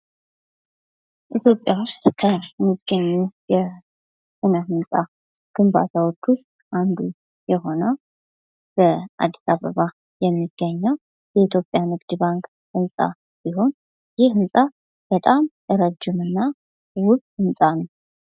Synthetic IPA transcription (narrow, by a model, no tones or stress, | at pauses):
ʔit̪ʰjo̞pʼːjawʊst̪ʼkʰəmɨɡəɲːujɛ | sɨnəhɨnsʼa | ɡ̥ɨmba̰t̪ʰawot͡ʃːʊst̪ʼʔand̪u | jɛɦo̞nə | b̥əa̰d̪ːisaβəβa | jɛmːiɡ̥ːəɲːəw | jɛit̪ʰjo̞pʼjamɨɡd̪baŋkʼ | hɨnsʼa̰ | b̥iɦo̞n | jɪhɨnsʼa | b̥ət̪ʼam | əɾəd͡ʒːɪmɨnːa | wʊkhɨnsʼanə